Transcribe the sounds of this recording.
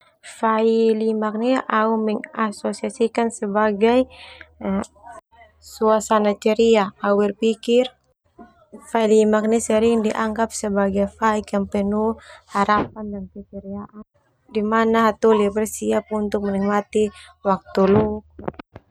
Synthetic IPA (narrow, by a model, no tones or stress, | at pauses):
failimak̚niʔaumɛŋasɔsiasikansɛbaɡaj | suasanat͡ʃɛɾiaauɛrpikir | failimak̚nisɛɾiŋdiʔaŋɡap̚sɛbaɡajfaikampɛnuhaɾapandankɛt͡ʃɛɾiaʔan | dimanaɦat̪ɔlibɛrsiap̚unt̪uk̚mɛnik̚mat̪iwak̚t̪uluk̚